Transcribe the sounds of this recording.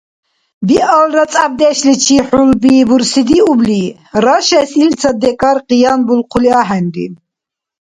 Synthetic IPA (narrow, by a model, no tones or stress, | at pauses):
biʔalɾat͡sʼab̚d̪ɛʃlit͡ʃʰiħulbibuɾsid̪iubli | ɾaʃɛsilt͡sʰad̪ɛkʼaɾqʼijanbulqʰuliaɦɛnɾḭ